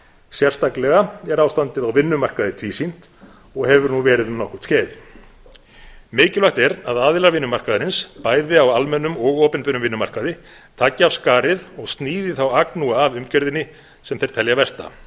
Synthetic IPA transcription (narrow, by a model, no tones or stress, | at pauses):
sjɛr̥st̪aklɛɣaɛɾaːwst̪ant̪ɪðawvɪnːʏmar̥kaðɪt̪ʰviːsin̥t̪ | ɔɣhɛvʏɾnuvɛːɾɪðʏmnɔhkʏ̥t̪scɛːð | mɪːcɪlvœht̪ɛɾaðaːðɪlaɾvɪnːʏmar̥kaðɾɪnspaːjðɪawalmɛnːʏmɔɣɔːpɛnpɪnʏmvɪnːʏma̰r̥kaðɪ | t̪ʰaːcːɪaːfskaːɾɪðɔɣst̪niːðɪθawaknuaːvʏmcœɾðɪnːɪ | sɛmθejɾ̥t̪ʰɛljavɛr̥t̪a̰